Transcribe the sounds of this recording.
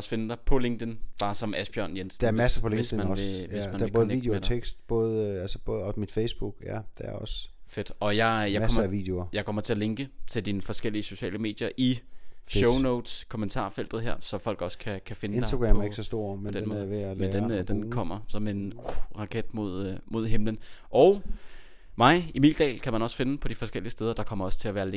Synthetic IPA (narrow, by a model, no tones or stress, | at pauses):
sfe̝nəd̥ɑ̈ɪpʰɒ̽le̝ŋd̥ənb̥ɑ̈ːsɒ̽mæsb̥jɶɐ̰njensn̥ɐæsɐpʰɒleesmæeʋe̝smmænebkðn̩eɡḭɡd̥edʰeɡ̥sd̥b̥ɔ̽ːð̩ˠælsəb̥ɔ̽ːð̩ˠɒmid̥fesb̥uɡ̥æd̥eæɐɒ̽sfed̥ɒ̽jɑ̈ɪjɑ̈ɒ̰ɐʋḭd̥eoɐjɑ̈ɪkʰɒ̽m̰ɐt͡sʰe̝æle̝ŋɡ̥ət͡sʰe̝ld̥inəfɒ̽sɡ̥el̰iəso̝ɕɛ̰ːləme̝̰ːd̥jɐʔiɕoʊnoʊd̥skʰomənt͡sʰɑ̰̈ːfel̰d̥ð̩ˠɦeɐ̰sɒ̽fɒ̽l̰ɡ̥ɒ̽skʰækʰæfe̝nədn̥asd̥aɡ̥ʁɛmæɐe̝ɡ̥sɒsd̥o̝ɐ̰md̥ennmɔːʋemend̥end̥enkʰɒ̽m̰ɐsɒ̽me̝nuʁɑ̈kʰed̥̚mo̝ð̞̰ˠmo̝ð̞̰ˠɦemlənʔɒʊ | mɑ̈ɪimild̥ɛ̰ːlkʰæmænɒ̽sfe̝nəpʰɒ̽d̥ifɒ̽sɡ̥el̰iəsd̥eːðˠɐd̥ɑ̈kʰɒ̽m̰ɐɒ̽st͡sʰe̝læʋæːɐleŋ